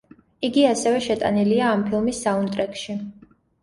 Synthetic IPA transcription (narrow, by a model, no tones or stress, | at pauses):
iɡiasɛvɛʃɛt̪ʼa̰niliaːmpʰilˠmisːaunt̪ʼɾɛkʼʃi